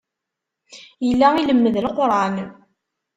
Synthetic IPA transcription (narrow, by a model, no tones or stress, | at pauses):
jəlːæiləmːəðəlqɾˤɑn